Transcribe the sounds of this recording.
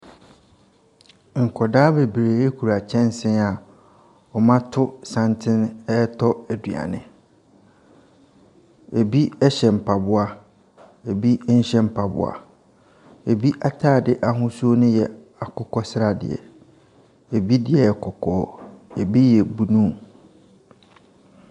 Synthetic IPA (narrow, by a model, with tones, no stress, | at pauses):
ŋ̩˨kʰɔ˨daː˦be˨bɾeː˨e˦kʰu˨ɾa˨t͡ɕʰɛ̃˦n˦sɪ̃˦na˨ | ɔ˨mã˦tʰʊ˦sã˦ntʰɪ̃˦nɛ˦tʰɔ˦æ˨dɥa̰˨nɪ̰̃˨ | e˨bi˦ɛ˦ɕɛ˨m̩˨pʰa˨bʊ˦a˦ | e˨bi˦n̩˦ɕɛ̃˦m̩˨pʰa˨bʊ̰˨a̰˨ | e˨bi˦ʔa˨tʰaː˦˨dɪ˨ʔa˨ɦʊ̃˦su˦o˦nʊ̃˦jɛ˨ | a˨kʰʊ˦kʰɔ˦sɪ˦ɾa˨dɪ̰˨ɛ̰˨ | e˨bi˦dɪ˨ɛ˨kʰɔ˨kʰɔ˦˨˦e˨bi˦jɛ˨bu˨nũ˦